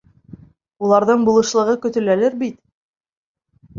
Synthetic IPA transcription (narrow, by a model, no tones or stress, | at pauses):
ulˠɑɾðɤɴbulˠɤ̆ʃlˠɤ̆ʁɤkɵ̆t̪ɵ̆lælɘɾbit̪